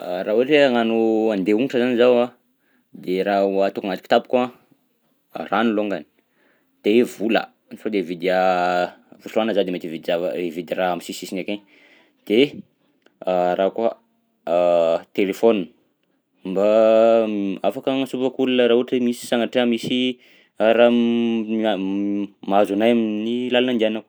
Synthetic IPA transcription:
raɦuʈ͡ʂeŋanuand̪euŋiʈ͡ʂəzanizawa | d̪eɾauat̪ukaŋat̪iki̥t̪api̥ka | raniloŋɡani̥ | t̪evulə̰ | nfod̪evid̪a | vusuanəzad̪emet̪vid̪av̰evid̪iraamisisisineke | d̪̥e | ɾaka | t̪elefon | mba | afakaŋsupəkulunəɾauʈ͡ʂemisi̥saŋaʈ͡ʂeəmisi | aɾa | a | mazanajaminilalanand̪ianaw

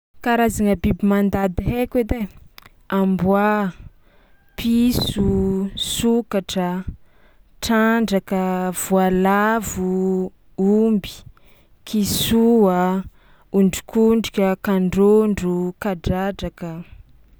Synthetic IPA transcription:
kaɾazaŋəbibimand̪ad̪ɦeked̪e | ambwa | pʰisusukaʈ͡ʂə | ʈ͡ʂaɳɖ͡ʐakəv̥ualavu | umbi̥ | kʰisua | uɳɖ͡ʐi̥kuɳɖ͡ʐikʲəkaɳɖ͡ʐoɳɖ͡ʐukaɖ͡ʐad͡ʒakə

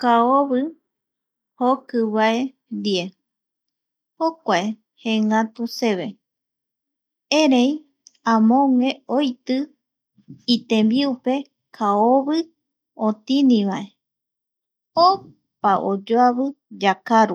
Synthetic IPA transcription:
kaoβɨ | hokɨβae̞ | d̪ie | hokʷae | hẽŋat̪use̞βe̞ | eɾej | ãmõŋẽ̞ojt̪ɨ | it̪ẽmbiupe̞ | kʰaoβɨ | ot̪inĩβae̞ | o | paʔod͡ʒoaβɨd͡ʒakaɾu

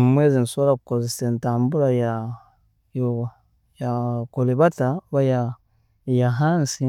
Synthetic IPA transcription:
umweːzinsolakukozesentaːmbuɾaja | jo | jakoleβataβaja | jaɦaːnsi

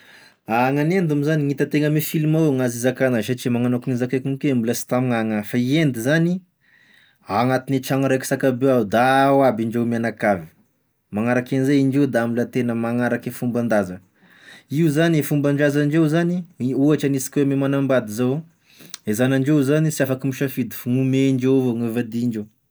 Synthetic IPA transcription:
aŋanend̪amizaniŋit̪ət̪eŋəmifilimawŋazizakanaʃat͡ʃimaŋanakuŋizakakuŋkeambuləsi̥t̪amŋaŋafaiend̪izani | aŋat̪inet͡ʃaŋɾeki̥sakabewaud̪awabiɳɖ͡ʐewmianakavi̥ | maŋaɾakenizeiɳd͡ʒewd̪ambulət̪enəmaŋaɾakefumband̪azə | iuzanifumbaɳɖ͡ʐazaɳd͡ʒewzaniuaʈ͡ʂanisi̥kʲwememanambad̪izow | ezanaɳɖ͡ʐewzanisiafakimiʃafid̪ifuŋumeɳd͡ʒevoŋevad̪iɳd͡ʒew

